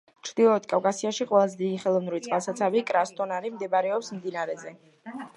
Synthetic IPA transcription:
t͡ʃʰɾd̪̥ilˠɔt̪kʼafkʼasiaʃiqʼwɛlˠazɛd̪id̪iχɛlˠɔvnulit̪sʼqʼalˠsat̪sʰavikʼɾast̪ʼɔnaɾimd̪ɛbaɾɛɔpsmd̪inaɾɛzɛ

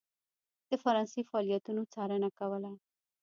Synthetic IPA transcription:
t̪eːfəɾãːsiːfaːlɪjət̪ũnũːt͡saːɾeːnakaʋalaː

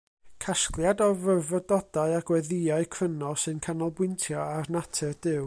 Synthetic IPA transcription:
kʰasklˠjadɔvərvɔdɔdaɨaɡ̥wɛðɪaɨkʰr̥ənɔsɨnkʰanɔlˠbwɪntʰjɔarnatʰɛd̥ɪw

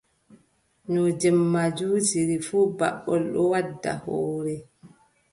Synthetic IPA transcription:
nɔd͡ʒɛmːad͡ʒuːd͡ʒiɾifuːba̰ɓːɔlɗɔwadːa̰hɔːɾɛ

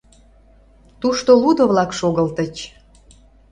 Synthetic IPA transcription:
t̪uʃt̪olud̪oβlɑkʃoɣəlt̪ət͡ɕ

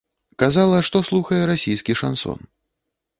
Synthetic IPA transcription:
kazalˠɐʂt̪ɔslˠuxɐjɛɾasʲijskʲiʂa̰nsɔ̰n

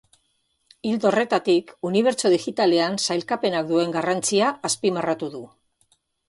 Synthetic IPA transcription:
ild̪o̞re̞t̪at̪ikuniβ̞e̞ɾt͡so̞ð̞ixit̪ale̞ansajlkape̞nakd̪ue̞ŋɡarant͡siaːspimarat̪uðu

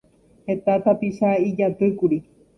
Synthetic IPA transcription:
het̪at̪apiʃaid͡ʒat̪ɨkuɾi

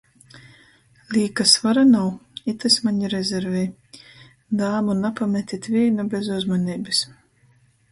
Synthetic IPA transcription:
lʲiːkasvaɾanawit̪asʲmaɲiɾɛzʲɛɾvʲɛj | d̪aːmunapamʲɛt̪ʲit̪ʲvʲiɛnubʲezuzmɔnʲiːbɨs

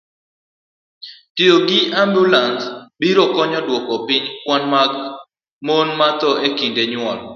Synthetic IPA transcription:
tioɡɪambulansbiɾɔkɔɲɔdwɔkɔpɪɲkwanma | monmat̪ɔʔekindeɲwɔl

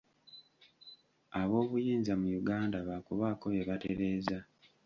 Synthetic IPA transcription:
aβo̞ːβujiːnzamujuɡaːndaβakuβako̞βeβate̞ɾe̞ːza

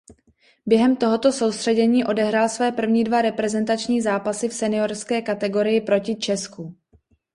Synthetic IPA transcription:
bjɛɦɛmt̪o̞ɦo̞t̪o̞so̞wst̪r̥ɛɟɛɲiːʔo̞dɛɦɾaːlsvɛːpr̩vɲiːdvaɾɛpɾɛzɛnt̪at͡ʃɲiːzaːpasɪfsɛnɪo̞ɾskɛːkat̪ɛɡo̞ɾɪjɪpɾo̞cɪt͡ʃɛsku

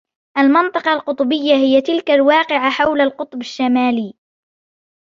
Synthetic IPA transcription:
ʔalmɪnt̪ˤɨqɑlqʊt̪ˤbɪjːahɪjat̪ɪlkalwɑːqɪʕaħawlalqʊt̪ˤbaʃːamaːliː

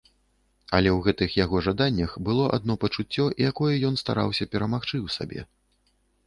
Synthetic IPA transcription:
ɐlʲɛwɣɛt̪ɨxjaɣɔʐad̪anʲːɐxbɨlˠɔʔa̰d̪̚nɔpɐt͡ʂut͡sʲːɔʔijakɔjɛjɔnst̪a̰ɾʔa̰wsʲɐpʲɛɾɐmaxt͡ʂɨwsa̰bʲɛ̰

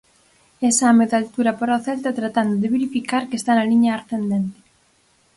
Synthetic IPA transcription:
esameðalt̪uɾapaɾaoθelt̪at̪ɾat̪and̪oðeβeɾifikaɾkest̪analiɲaːɾθend̪ent̪e̥

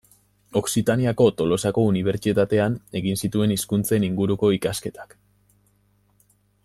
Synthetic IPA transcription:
o̞ksit̪aniako̞t̪o̞lo̞sako̞uniβ̞e̞ɾt͡ʃit̪at̪e̞ane̞ɣinsit̪ue̞niskunt͡se̞niŋɡuɾuko̞ikaske̞t̪ḁk

